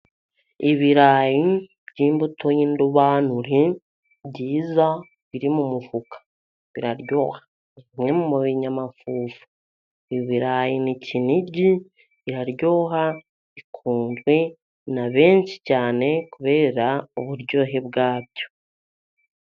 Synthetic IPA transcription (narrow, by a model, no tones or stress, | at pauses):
iβiɾaːji | bɟiːmbutojinduβaːnuɾi | bɟiːza | βiɾimumuvukḁ | βiɾaɾɟo̞ːhḁ | imŋe̞mumuβiɲamafuːvu | iβiɾaːjiniciniɟiː | ɾaɾjo̞ːɦa | ikʰuːnzwe̞ | naβe̞ːnʃi̥caːne̞kuβe̞ːɾauβuɾɟo̞ːɦe̞βɡaːbɟo̞